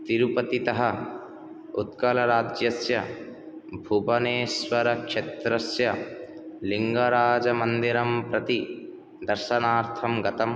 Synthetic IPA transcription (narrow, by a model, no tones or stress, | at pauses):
t̪iɾupɐt̪it̪ɐɦɐ | ut̪kɐlɐɾaːd͡ʒjɐsjɐ | bʱubɐneːswɐɾɐkʂet̪ɾɐsjɐ | liŋɡɐɾaːd͡ʒɐmɐnd̪iɾɐmpɾɐt̪i | d̪ɐɾʃɐnaːɾt̪ʰɐmɡɐt̪ɐm